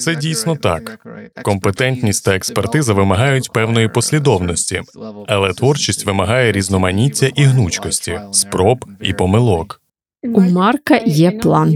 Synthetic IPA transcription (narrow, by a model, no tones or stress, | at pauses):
t̪sɛdʲijsʲnɔt̪ɑ̰kːɔmpet̪ɛnʲt̪ʲnʲisʲtʲt̪ɐekspert̪ɪzɐʋɪmɐɦɑjʊtʲpɛwn̪ɔjipɔsʲlʲid̪ɔwnɔsʲtʲiɐlˠɛt̪ʋɔrt͡ʃisʲtʲʋɪmɐɦɑjɛɾʲiznɔmɐnʲitʲːɐʔiɦnut͡ʃkɔsʲtʲispɾɔbḭpɔmɪlˠɔk | umɑrkɐjɛplˠɑn